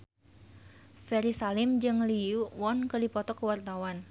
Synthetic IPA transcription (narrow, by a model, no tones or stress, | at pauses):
fɛɾisalɪmd͡ʒɨŋliuwɔnkərdipɔt̪ɔkəwart̪awan